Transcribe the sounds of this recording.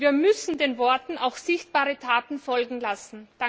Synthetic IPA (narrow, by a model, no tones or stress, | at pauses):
viːɐmʏsn̩deːnvɔɐtn̩aʊxz̥ɪçtb̥aːʁətʰaːtn̩fɔlɡŋ̩lasn̩d̥a